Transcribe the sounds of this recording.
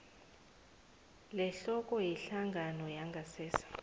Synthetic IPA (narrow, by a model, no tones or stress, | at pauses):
lɛɬɔkʼɔjiɬaŋɡʱanɔjaŋɡʱasɛːsḁ